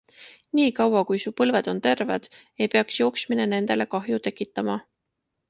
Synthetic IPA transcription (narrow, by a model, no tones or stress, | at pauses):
niːkɑwɑkujsuːpɤlve̞d̪̥o̞nt̪e̞rvḛd̪̥ | e̞jpe̞ɑksjo̞ːksmine̞ne̞nd̪e̞le̞kɑɦjut̪e̞kːˑit̪ːˑɑmɑ